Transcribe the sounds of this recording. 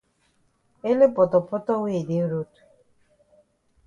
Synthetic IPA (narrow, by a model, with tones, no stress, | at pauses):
e˦le˦pɔ˨tɔ˨pɔ˦tɔ˦weː˦˨de˨˦ɾo˦tu̥˨